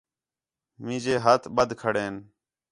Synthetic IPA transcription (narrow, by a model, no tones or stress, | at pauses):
mĩːd͡ʒeːɦət̪ʰɓəd̪ʱkʰəɽeːn